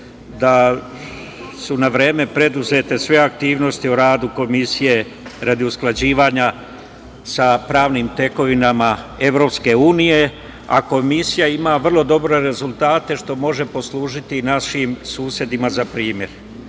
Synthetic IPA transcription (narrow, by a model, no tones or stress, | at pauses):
d̪a | sunaʋɾe̞ːme̞pɾe̞d̪uze̞t̪e̞sʋe̞akt̪iːʋno̞st̪ioɾaːd̪uko̞misije̞ | ɾad̪iusklˠad͡ʑiːʋaːɲa | sapɾaːʋnimt̪e̞ko̞ʋinamae̞ʋɾo̞pske̞uːnije̞ | a̰ko̞misijaimaʋr̩lˠo̞d̪o̞bɾe̞ɾe̞zulˠt̪aːt̪e̞ʃt̪o̞mo̞ʒe̞po̞slˠuːʒit̪inaʃimsuːsje̞d̪imazapɾiːmje̞̰ɾ